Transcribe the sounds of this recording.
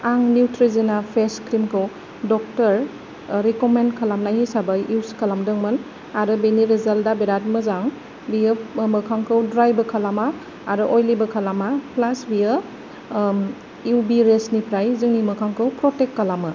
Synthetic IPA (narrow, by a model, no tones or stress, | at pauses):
aŋniwtɾizinapʰeskɾimkʰɯw | dɔk̚tɐɾ | ɾikomenkʰalamnajhisabajiwskʰalamdɯŋmɯn | aɾɯbeniɾezaldabeɾat̚mɐzaŋ | biəmɐkʰaŋkʰɯwdɾajbɐkʰalamaː | ɾɯʔojlibɐkʰalamaplasbijə | iwbiɾesnipʰɾajzɯŋnimɯkʰaŋkʰɯwpɾɔtekːalama